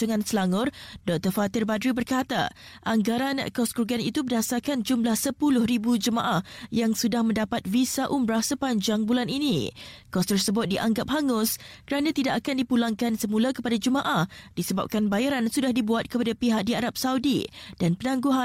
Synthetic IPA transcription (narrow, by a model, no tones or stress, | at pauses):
uŋansəlaŋʊrdɔk̚t̪ərfat̪ɪrbadɾibərkat̪a̰ | ʔaŋɡaɾankɔskɾuɡanḭt̪ubərdasarkand͡ʒumlahsəpulʊhɾibud͡ʒəma̰ʔahjaŋsudahmə̃ndapat̪̚visaʔumɾahsəpaɲd͡ʒaŋbulaninḭkɔst̪ərsəbʊt̪̚diʔaŋɡap̚ɦaŋʊskəɾanãt̪idaʔakandipulaŋkansəmulakəpadad͡ʒəmãʔahdisəba̰p̚kanbajaɾansudahdibuat̪̚kəpadapiɦak̚diaɾap̚saudḭd̥anpənãŋɡuɦa